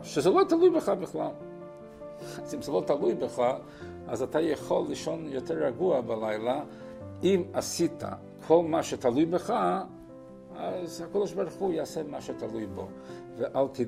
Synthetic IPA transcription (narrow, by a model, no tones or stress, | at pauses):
ʃɛzɛlotalujbəχabɪχlalˠ | azimzɛlotalujbəχa | azatʰajaχolˠːiʃonjotʰɛɾaɡuabalajlˠa | imasitʰa̰ | kʰolˠmaʃɛtʰalujbəχa | azhakodɔʃbaɾuχujaasɛmaʃɛtʰalujbo̰ | vəʔalˠt̪ʰi